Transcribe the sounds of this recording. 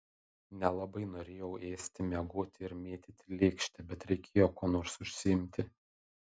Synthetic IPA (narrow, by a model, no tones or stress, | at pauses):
nʲɛlˠɐbɐɪnoːɾʲeːjɛʊʔeːsʲt̪ʲɪmʲɛɡoːt̪ʲɪɪɾmʲeːt̪ʲɪt̪ʲɪlʲeːkʃʲt̪ʲɛbʲɛt̪ɾʲɛɪkʲeːjoːkoːnoːɾsʊʃʲsʲɪɪmʲt̪ʲɪ